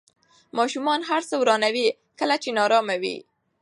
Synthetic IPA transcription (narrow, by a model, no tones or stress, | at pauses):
mɑʃumɑnɦaɾsəwɾɑnawi | kəlat͡ʃenɑɾɑmawḭ